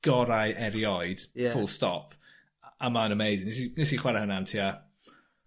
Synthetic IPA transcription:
ɡ̥ɔɾajʔɛɾjɔɨd̥fʊlˠstɔ̰pʰ | ʔamanəmejzɪnɪs̬inɪs̬iχwɛɾahʊnamtʰia

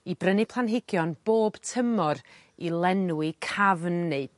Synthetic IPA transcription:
ibrənɨpʰlˠanɦɪɡjɔnb̥oːb̥tʰəmɔɾ | ilˠɛnuwɪkʰavnːed̥

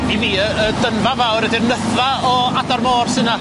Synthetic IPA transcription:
iviːəədənvavawɾɛdɪrnəθvaɔadarmoːrsɨna

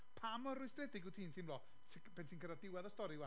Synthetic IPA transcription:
pʰamɔrʊsd̥rɛdɪɡutʰiːntʰiːnblɔː | tʰ | bɛntʰiːnkʰədadɪwɛðɔstɔɾiwa

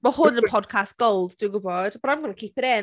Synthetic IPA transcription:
məhʊdɪ̃əpʰɒd̚kʰasɡ̥oʊlˠdd̥uːɡʊbɔd̥b̥əɾãɪ̃mɡʌnəkʰiˑpɪɾɪ̃n

